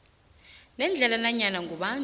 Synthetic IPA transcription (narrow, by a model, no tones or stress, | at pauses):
nɛnd͡ɮʱɛlanaɲanaŋɡuɓa